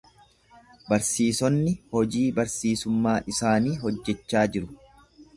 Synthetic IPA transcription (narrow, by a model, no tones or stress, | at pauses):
bɐɾsiːsɔnːɪhɔd͡ʒiːbɐɾsiːsʊmːaːʔɪsaːniːɦɔd͡ʒːɛt͡ʃːaːd͡ʒɪɾʊ̥